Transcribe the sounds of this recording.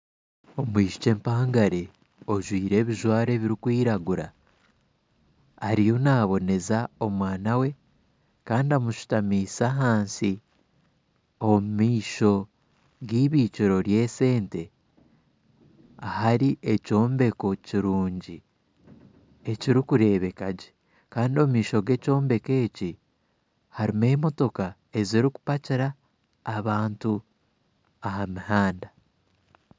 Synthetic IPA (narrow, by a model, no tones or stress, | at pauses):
o̞mwiːʃu̥ce̞ːmpaːŋɡaɾe̞ | o̞ʒwiːɾe̞ːβiʒwaːɾe̞βiɾikwiːɾaɡuɾa̰ | ɾijo̞naːβo̞ne̞zao̞mwaːnawe̞ | kaːndiamuʃu̥tamiːsaɦaːnsi | omumiːʃo̞ | ɡiːβiːciɾo̞ɾje̞ːse̞ːnte̞ | ahaɾiʔe̞co̞ːmbe̞ko̞ciɾuːɲɟi | e̞ciɾikuɾe̞ːβe̞kaɟe | kaːndio̞mumiːʃo̞ɡe̞co̞ːmbe̞ke̞ːci | haɾime̞ːmo̞to̞ka | e̞ziɾiku̥paciɾaː | βaːntu | ahamihaːnda